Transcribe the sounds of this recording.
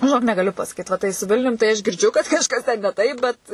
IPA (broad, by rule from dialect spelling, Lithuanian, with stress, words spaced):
ʒʲɪˈnoːk nʲɛɡɐˈlʲʊ pɐsɐˈkʲiːt ʋɐ ˈtɐɪ sʊ ˈʋʲɪlʲnʲʊm tɐɪ ˈɐʃ ɡʲɪrʲdʲˈʒʲʊ kɐt kɐʃˈkɐs tʲɛn nʲɛ ˈtɐɪp ˈbʲɛt